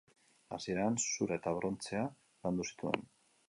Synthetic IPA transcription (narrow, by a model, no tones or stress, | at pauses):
a̰sie̞ɾansuɾaet̪aβ̞ɾo̞nt͡se̞a | land̪usi̥t̪ue̞̰n